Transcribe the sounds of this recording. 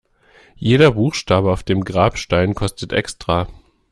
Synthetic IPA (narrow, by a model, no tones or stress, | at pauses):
jeːɾɐbuːxʃtaːbəaʊfd̥eːmɡʁaːpʃtaɪnkʰɔstətʔɛ̰kstʁ̥aː